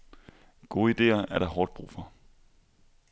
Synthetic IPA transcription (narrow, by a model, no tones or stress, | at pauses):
ɡ̥o̝̰ːid̥e̝̰ːɐʔæɐɾ̥ɑ̈ɦɒːd̥̚b̥ʁṵːfɒ̽